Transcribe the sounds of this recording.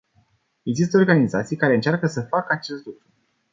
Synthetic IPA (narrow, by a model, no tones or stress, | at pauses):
e̞ɡzis̬t̪əorɡanizat̪sijkaɾe̞ɨnt͡ʃarkəsəfakəat͡ʃe̞st̪lukɾu